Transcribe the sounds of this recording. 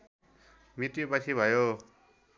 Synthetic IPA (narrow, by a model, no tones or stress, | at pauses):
mitjopat͡ɕʰibʱʌjo